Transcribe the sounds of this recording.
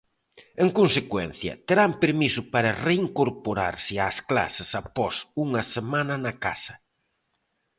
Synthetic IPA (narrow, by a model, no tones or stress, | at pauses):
eŋkonsekwɛ̰n̟θjɐ̰t̪eɾampeɾmisʊpaɾɐreiŋkoɾpoɾa̰ɾsɪaskla̰sɪsapɔsuŋɐsemãnɐnɐka̰sɐ̥